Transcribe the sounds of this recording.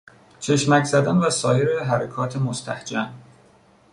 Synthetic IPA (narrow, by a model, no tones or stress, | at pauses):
t͡ʃʰe̞ʃmæczæd̪ænvæsɒːje̞ɾeɦæɾekʰɒːt̪ʰemost̪ʰæ̰hd͡ʒæm